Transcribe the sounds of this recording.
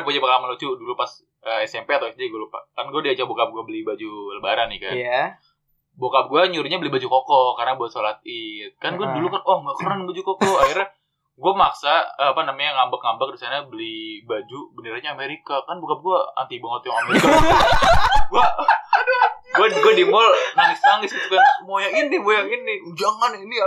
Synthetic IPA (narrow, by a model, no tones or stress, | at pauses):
pud͡ʒapakalamalot͡ʃudulupas | əɛsɛmpeat̪awsd͡ʒaɡalupa̰kanɡuadiad͡ʒak̚bokap̚ɡuabəlihbad͡ʒuləbaɾanːɪka̰ | bokap̚ɡuaɲuɾuɲabəlibad͡ʒukokɔkarnabuasolat̪̚ɪt̪̚kanɡuadulukanwahŋɡaʔkəɾanbad͡ʒukokɔaxirɲa | ɡuamaksaapanamaɲaŋambakŋambak̚disanabəlibad͡ʒubənəɾaɲaːmeɾikakanbokap̚ɡuaa̰nt̪iboŋət̪jaŋameɾika | ɡua | ɡuaɡuadimɔlnaŋɪsmaŋɪsit̪ukanmojaŋinːimojaŋinːɪd͡ʒaŋanini